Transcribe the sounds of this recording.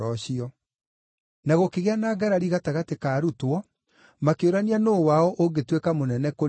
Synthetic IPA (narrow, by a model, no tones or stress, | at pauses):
ɔɕiɔ | naɣokeɣeanaːɡaɾaɾiɣataɣatekaːɾutwɔ | makeoɾanianoːwaɔʔoɡetwekamonɛnɛko